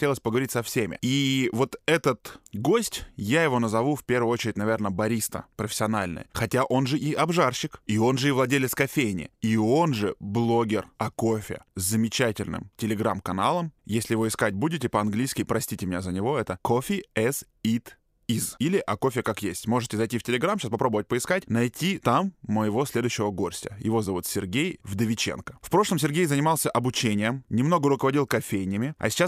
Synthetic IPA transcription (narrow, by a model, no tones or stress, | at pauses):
tʲelˠəsʲpəɡəvɐɾʲitʲsɐfsʲemʲɪ̰ivo̞t̪ɛt̪ət̪ɡo̞sʲtʲjajɪvo̞nəzɐvufʲpʲe̞rvʊjʊot͡ɕɪɾʲɪt̚ʲnɐvʲe̞rnəbɐɾʲist̪ə̰pɾəfʲɪ̥sʲɪɐnalʲnɨ̰jxɐtʲaʔo̞nʐɨʔiʔɐbʐarɕɪkio̞nʐɨivlˠɐdʲelʲɪt̪skɐfʲejnʲɪ̰io̞nʐɨblˠo̞ɡʲɪrɐkofʲɪ̰zʲzəmʲɪt͡ɕætʲɪlʲnɨ̰mtʲɪlʲɪɡɾamkɐna̰lˠəmjesʲlʲɪjɪvo̞ɪskatʲbudʲɪtʲɪpəɐnɡlʲijskʲɪjpɾɐsʲtʲitʲɪmɪnʲazənʲɪvo̞ɛt̪əkʰofʲɪɛs | it̪ | izilʲɪʔɐko̞fʲɪkakjesʲtʲmo̞ʐɨtʲɪzɐjtʲiftʲɪlʲɪɡɾamɕaspɐpɾo̞bəvət̚ʲpəɪskatʲnɐjtʲit̪amːəjɪvo̞sʲlʲe̞d̪ʊjɕːɪvəɡo̞rsʲtʲə̰jɪ̰vo̞zɐvut̪sʲɪrɡʲejvd̪əvʲɪt͡ɕḛnkə̥fpɾo̞ʂlˠəmsʲɪrɡʲejzənʲɪmɑlˠsʲəʔɐbʊt͡ɕenʲɪjəmnʲɪmnoɡəɾʊkəvɐdʲilˠkɐfʲejnʲɪjəmʲɪɐ̰sʲɪ̥t͡ɕːa